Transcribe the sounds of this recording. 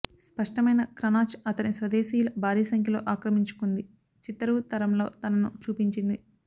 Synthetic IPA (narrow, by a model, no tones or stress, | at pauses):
spɐʂʈɐmɐjnɐkɾɐnaːt͡ʃɐt̪ɐnisʋɐd̪eːsiːjulɐbʱaːɾiːsɐŋkʰjɐlo̞ːʔaːkɾɐmiɲt͡ʃu̥kund̪i | t͡ʃit̪ːɐɾuːt̪ɐɾɐmlo̞ːt̪ɐnɐnut͡ʃuːpiɲt͡ʃind̪i